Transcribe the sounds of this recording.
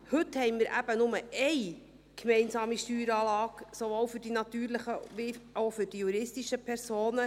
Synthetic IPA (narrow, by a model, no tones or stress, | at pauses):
hɵt̪hɛɪnmɪɾʔæ̰b̥ənʊməʔɛɪ | kʰmɛɪnsɑːmiʃtyːɾɑːlɑːksoʋoːlfʏɾd̥inɑt̪yːɾləχəʋiowfʏɾd̥ijuɾɪstiʃəpʰɛɾsoːnə